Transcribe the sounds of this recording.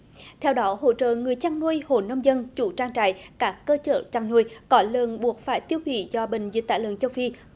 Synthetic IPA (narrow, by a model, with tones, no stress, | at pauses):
t̪ʰɛ˧wɗɔ˨˦ɦo̰˧˨t͡ɕə̰ː˧˨ŋɨ˨˩əjt͡ɕaː˧ŋnu˧əjho˨˩nə˧wŋ͡mzə˧nt͡ɕu˧˩t͡ɕaː˧ŋt͡ɕa̰ː˧˨jkaː˦˥kːəː˧t͡ɕə̰ː˧˨t͡ɕaː˧ŋnu˧əjkɔ˨˦lə˨˩nɓu˨˩ək̚faː˧˩jt̪i˧əwhwḭ˧˨zɔ˧ɓï˧˨ŋ̟zḭ˨˦˥t̚t̪a̰ː˧˩jlə˨nt͡ɕə˧wfi˧